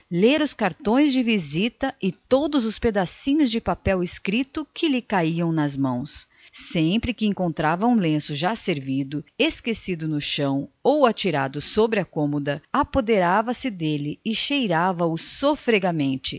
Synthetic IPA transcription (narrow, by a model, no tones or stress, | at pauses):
leɾʊskaɾt̪õj̃zd͡ʒɪvizit̪ɐɪt̪od̪ʊzʊsped̪asĩɲʊzd͡ʒɪpapɛwɪskɾit̪ʊkʰɪlɪkaiɐ̃w̃nɐzmɐ̃w̃sː | ẽpɾɪkɪẽŋkõnt̪ɾavɐũlẽsʊʒaseɾvid̪ʊeskesid̪ʊnʊʃɐ̃w̃owat͡ʃiɾa̰d̪ʊsobɾɪɐkõmod̪ɐapod̪eɾavɐsɪd̪elɪɪʃejɾavɐʊsofɾeɡɐmẽnt͡ʃɪ